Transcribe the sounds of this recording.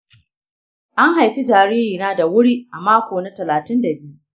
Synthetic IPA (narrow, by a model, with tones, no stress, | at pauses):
ʔa˦ŋɦa˨jɸi˦d͡ʒaː˨ɾiː˦ɾiː˨naː˦da˨wʊ˦ɽiː˦ʔa˨maː˦kʷoː˨na˦tɐ˨laː˨tɪ˦ndɐ˨bɪ˦ju˦ʔ